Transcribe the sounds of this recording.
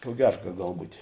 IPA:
koː ˈɡʲæːrɐ kɐ ˈɡɐlˠ ˈbuːtʲeː

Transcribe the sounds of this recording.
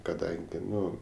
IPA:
kɐˈdɐŋʲɡʲɪ ˈnʊ

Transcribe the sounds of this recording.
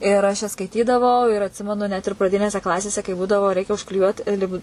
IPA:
ɪr ˈɐʃ jɛs skɐɪˈtʲiːdɐʋɐʊ ɪr ɐtʲˈsʲɪmʲɛnʊ nʲɛt ɪr prɐˈdʲɪnʲeːsʲɛ ˈklˠɑːsʲeːsʲɛ kɐɪ ˈbuːdɐʋoː ˈrʲɛɪkʲɛ ʊʃklʲɪˈjuɔt ˈlʲɪpt

